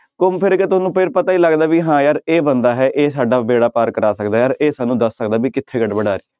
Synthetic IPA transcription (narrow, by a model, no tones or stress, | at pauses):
kʊmpʰɪɾket̪ʊsnũːpʰɪɾpət̪aːiːləɡd̪aːʋiːɦãːjaːɾeːbənd̪aːɦɛːʔeːsaːɖaːbeːɽaːpaːɾkəɾaːsəkd̪aːjaːɾeːsaːnːũːd̪əsːəkd̪aːbiːkɪt̪ʰːeːɡəɖbəɽaːɾiː